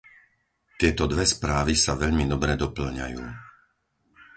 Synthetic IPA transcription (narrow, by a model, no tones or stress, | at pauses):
t̪ɪɛt̪ɔd̪ʋɛspɾaːʋisaʋɛʎmid̪ɔbɾɛd̪ɔpl̩ɲa̰juː